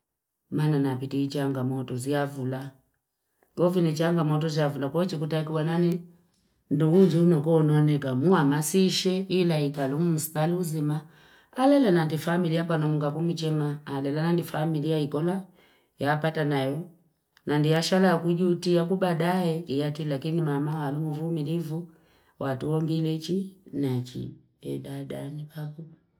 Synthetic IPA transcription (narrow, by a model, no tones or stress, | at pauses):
mananapitiit͡ʃaŋɡamɔtɔziavula | ɡɔvinit͡ʃaŋɡamɔtɔziavulakɔt͡ʃikutakiwanani | nduɡud͡ʒihunɔkɔnɔnɛkamuamasiʃɛilaikalumum̩si̥taliuzimaː | lɛlanandifamilijap̬anɔmuŋɡakumit͡ʃɛmaːlɛlanandifamilijaikɔla | jaːpatanajɔ | nandiaʃalakuɟutijakubadaɛijatilakinimamahalumuvumilivu | wʔatuwɔŋɡilɛt͡ʃinat͡ʃḭ | ɛdada̰nipaku